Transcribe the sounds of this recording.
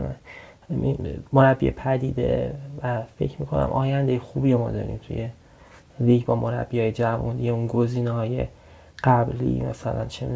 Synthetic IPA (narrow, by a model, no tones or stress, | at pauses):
imoɾæbːḭjḛpʰæd̪iːd̪e̞̰væfe̞̰cʰmiːkʰo̞næ̰mʔɒːjænd̪e̞jexuːbiːomɒ̰ːd̪ɒ̰ːɾḭːmt̪ʰṵje̞ | viːɟbɒːmoɾæ̰b̥ːihɒːjed͡ʒævṵnd̪ijeunɡo̞ziːnehɒːjḛ | ɡ̥æblḭːmæ̰sælænt͡ʃʰen